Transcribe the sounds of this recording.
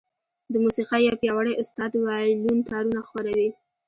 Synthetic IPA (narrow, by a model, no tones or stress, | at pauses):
d̪əmusiqajɑwpjɑwaɽajʔʊst̪ɑd̪wɑlunt̪ɑɾunaxwaɾawi